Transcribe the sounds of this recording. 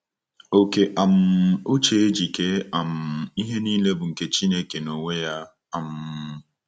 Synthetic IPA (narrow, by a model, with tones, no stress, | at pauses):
o˨ke˨ʔa˨m̩˨o˦t͡ʃe˨e˦d͡ʒi˨ke˦a˨m̩˨i˦ɦe˦niː˦le˦bʊ˨ŋ̩˨ke˦t͡ʃi˦ne˦ke˨no˨ŋʷe˦ja˦ | a˨m̩˨